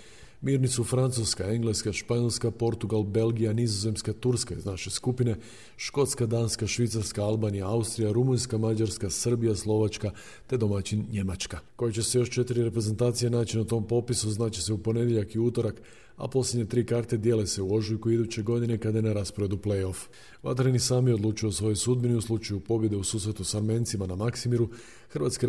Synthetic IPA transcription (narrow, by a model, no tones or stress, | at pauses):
miːɾnisufɾant̪suskae̞ŋɡle̞skaʃpaɲelskapo̞ɾt̪uɡalbe̞lɡijanizo̞ze̞mskat̪uɾskaḭznaʃe̞skupine̞ | ʃko̞t̪skad̪aːnskaʃʋit̪saɾskaalbaːnijaaust̪ɾijaɾumunskamad͡ʒaɾskasər̩bijaslˠo̞ʋat͡ʃka | t̪e̞d̪o̞mat͡ɕinɲemat͡ʃkako̞jet͡ɕe̞se̞jo̞ʃt͡ʃe̞t̪iɾiɾe̞pɾe̞ze̞nt̪aːt̪sije̞naːt͡ɕinat̪o̞ːmpo̞pisuznaːt͡ɕe̞se̞upo̞ne̞d̪jeʎakiut̪o̞ɾak | a̰po̞slʲjʲedɲat̪ɾiːkaɾt̪e̞d̪jele̞se̞uo̞ʒujkuid̪ut͡ɕe̞ɡo̞d̪inekad̪aje̞naɾaspoɾe̞d̪uple̞jo̞f | ʋa̰t̪ɾenisaːmjeo̞d̪lˠuːt͡ʃijo̞sʋo̞josud̪̚biniuslˠut͡ʃajupo̞bje̞d̪e̞usuːsɾe̞t̪usaɾment̪simanamaksimiɾu | xrʋa̰t̪ske